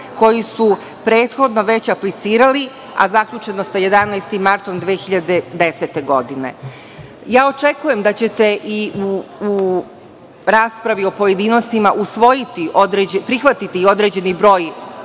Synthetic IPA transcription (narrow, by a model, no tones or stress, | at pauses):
ko̞jisu | pɾe̞ːt̪xo̞d̪no̞ʋe̞t͡ɕaplit̪siːɾali | a̰zakʎut͡ʃe̞nosaje̞d̪anaːjst̪imːaɾt̪o̞md̪ʋeːxiʎad̪ed̪eset̪e̞ɡo̞d̪ine̞̰ | jaːo̞t͡ʃekuje̞md̪at͡ɕe̞t̪e̞ʔiuu | ɾaːspɾaʋio̞po̞je̞d̪iːno̞st̪imaʔusʋo̞jit̪iʔod̪ɾed͡ʑepɾixʋat̪it̪io̞d̪ɾe̞ːd͡ʑe̞nibɾo̞ːj